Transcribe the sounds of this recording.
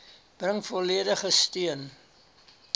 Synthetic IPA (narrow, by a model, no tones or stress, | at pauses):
b̥rəŋfɔliədəχəstiən